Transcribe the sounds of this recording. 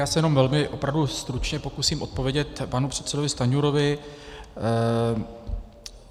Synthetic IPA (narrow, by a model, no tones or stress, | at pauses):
jaːsɛjɛno̞mvɛlmɪʔo̞pɾavdust̪ɾut͡ʃɲɛpo̞kusiːmʔo̞t̪̚po̞vjɛɟɛt̪panupr̝̥ɛt̪sɛdo̞vɪst̪aɲuɾo̞vɪ